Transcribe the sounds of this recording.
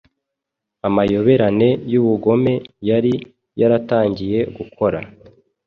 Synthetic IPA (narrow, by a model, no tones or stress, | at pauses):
amajo̞βe̞ɾane̞juβuɡo̞me̞jaɾi | jaɾataːɲɟije̞ɡukʰo̞ɾa̰